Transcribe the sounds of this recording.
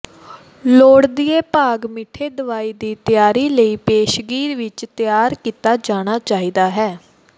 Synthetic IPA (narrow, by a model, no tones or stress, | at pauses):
loːɽd̪iːeːpaːɡmɪʈʰːeːd̪əʋaːiːd̪iːt̪ɪjaːɾiːləiːpeːʃɡiːɾʋɪt͡ʃt̪ɪjaːɾkiːt̪aːd͡ʒaːɽ̃aːt͡ʃaːiːd̪aːɦɛː